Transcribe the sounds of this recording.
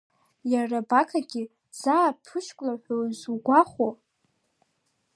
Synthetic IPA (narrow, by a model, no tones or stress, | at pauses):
jarabakʰaɡʲɪ | z̥aːpʰɨʃkʷʼlaħʷozuɡʷaχʷo